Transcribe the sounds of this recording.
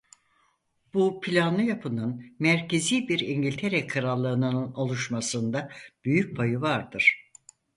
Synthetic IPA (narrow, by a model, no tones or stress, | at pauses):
b̥upʰilʲanlˠɯjapʰɯnɯnmæɾcʰe̞ziːbiɾiɲɟilʲt̪ʰeɾɛkʰɯɾalˠːɯːnɯnno̞lˠuʃmasɯnd̪ab̥yjyc̚bʰajɯvaɾd̪ɯɾ̥